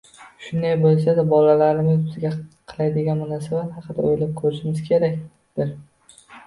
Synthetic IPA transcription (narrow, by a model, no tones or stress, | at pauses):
ʃʊnd̪ajbolˠs̬ad̪abɒlalaɾɪmɪzbɪzɡʲaqʰɨlˠajd̪ɪɡʲanmanasɪvahɑqɨd̪a̰ojlap̚kʰɵɾɪʃɪmɪz̥kʲʰe̞ɾakʲ | d̪̥ɪɾ